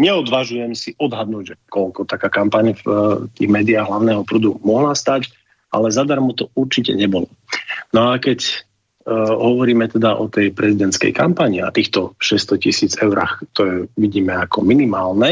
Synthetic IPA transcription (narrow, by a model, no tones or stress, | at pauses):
ɲɛɔd̪ʋaʒujɛmsiʔɔd̪ɦad̪̚nuːɟʒɛkɔʎkɔt̪akaːkampaɲft̪ḭːɣmɛːd̪iaːɣɦlaʊnɛːɦɔpɾud̪umɔɦlast̪ac | ʔa̰lɛzad̪aɾmɔt̪ɔuɾt͡ʃicɛ̰ɲɛbɔlɔ | nɔakɛc | ɦɔʋɔɾiːmɛt̪ɛd̪aʔɔt̪ɛjpɾɛzid̪ɛnt̪skɛ̰jkampaɲia̰t̪iːxt̪ɔʃɛst̪ɔcisiːd͡zɛʊɾa̰xt̪ɔjɛʋiɟiːmɛakɔ̰minimaːlnɛ